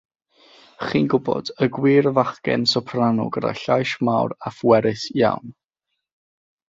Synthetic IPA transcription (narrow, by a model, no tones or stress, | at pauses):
χiːnɡʊbɔ̰dəɡwiːɾəvaχkɛ̰nsɔpʰranʊ̰ɡəda̰ɬajʃmawrafwɛɾɨθja̰wn